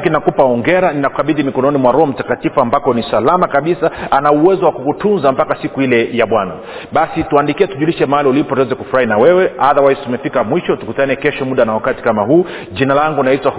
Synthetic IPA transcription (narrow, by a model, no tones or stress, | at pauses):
kinakupaɔŋɡɛɾaninakukaɓiðimikɔnɔnimwaɾɔɔm̩takatifuambakɔnisalamakaɓisaʔanauwɛzɔwakukutunzampakasikuilɛjaɓwana̰ | ɓasituandikiɛtuʄuliʃɛmaaliulipɔtɛzɛkufuɾainawɛwɛaðawaitumɛfikamwiʃɔtukutanɛkɛʃɔmuɗanawakati̥kamaɦuː | ʄinalaŋɡunaitwa